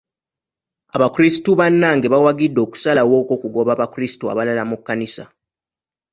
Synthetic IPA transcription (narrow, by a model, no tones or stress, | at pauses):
aβakuɾisituβanːaŋɡeβawaɡidːo̞ːku̥salawo̞ːko̞ːkuɡo̞βaβakɾisi̥tua̰βalalamukːanisa̰